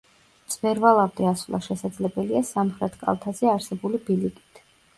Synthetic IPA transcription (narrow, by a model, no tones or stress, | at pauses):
z̥bɛɾvalˠavd̪ɛasvlˠa̰ʃɛsad̪zlɛbɛliasamχɾɛt̪ʰkʼa̰lˠt̪ʰazɛaɾsɛbulibilikʼit̪ʰ